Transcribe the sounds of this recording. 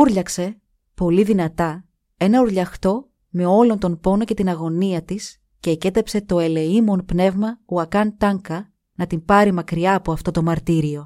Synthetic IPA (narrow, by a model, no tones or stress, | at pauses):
uɾʎɐkse̞ | po̞liðinɐt̪ɐ | e̞nɐuɾʎɐxt̪o̞ | me̞o̞lo̞nt̪o̞npo̞no̞ce̞t̪inɐɣo̞niɐt̪is | ce̞ːce̞t̪epse̞t̪o̞e̞le̞imo̞npne̞vmɐuɐkɐnt̪ɐŋkɐ | nɐt̪impɐɾimɐkɾiɐːpo̞ɐft̪o̞t̪o̞mɐɾt̪iɾio̞